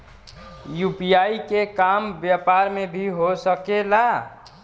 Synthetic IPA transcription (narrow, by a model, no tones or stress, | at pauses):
jupijaikekambjapaɾmebʱiɦosəkela